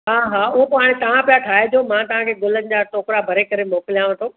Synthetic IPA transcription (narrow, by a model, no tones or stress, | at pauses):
ɦaːɦaːʊɦopaːɽ̃et̪ɐʋ̤ãpɪjaʈʰaːɦed͡ʑoːmãt̪ɐʋ̤ãkʰeːɡʊlənɪ̆d͡ʑaːʈoːkɾabʱɐɾekɐɾemoːkɪlijãːʋɪ̃t̪ʰoː